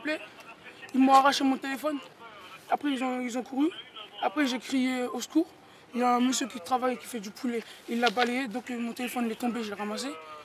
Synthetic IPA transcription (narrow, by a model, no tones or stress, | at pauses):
plɛ | ilmɔ̃aʁaʃemɔ̃t̪elefɔnapχɛilzɔ̃ilzɔ̃kʰuʁyapχɛʒekχijeoskuːʁ | iljaɛ̃məsjøkʲit̪χavajkʲi̥fɛd̪ypʰulɛilːabalejed̪ɔ̃kmɔ̃t̪elefɔnilɛt̪ɔ̃beʒɛʁamas̬e